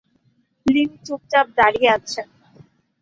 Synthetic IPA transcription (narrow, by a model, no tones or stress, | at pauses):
lint͡ɕuk̚t͡ɕap̚d̪aɾieat͡ɕʰe